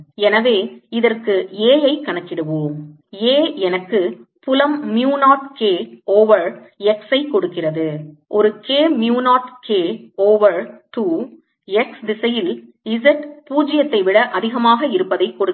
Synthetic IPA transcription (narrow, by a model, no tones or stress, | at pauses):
ɛnɐʋeːɪðɐrkɯeːjɐɪkːɐɳɐkːɪɽɯʋoːm | eːɛnɐkːɯpʊlɐmːjuːnaːʈkeːoːʋɐɾ | ɛksɐɪkːɔɽɯkːɪrɐðɯʔɔɾɯkeːmjuːnaːʈkeːoːʋɐɾt̪uː | ɛksd̪ɪsɐjɪl | ɪzɐʈpuːd͡ʒɪjɐt̪ːɐɪʋɪɽɐʔɐðɪɣɐmaːɣɐɪɾɯpːɐðɐɪkːɔɽɯ